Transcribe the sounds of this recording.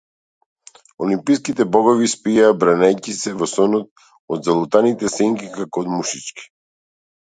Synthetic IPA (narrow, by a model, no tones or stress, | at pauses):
olimpiskit̪ɛbɔɡɔvispijaːbɾanajcisɛvɔsɔnɔt̪̚ | ɔd̪zalˠut̪anit̪ɛsɛŋkikakoːd̪muʃit͡ʃki̥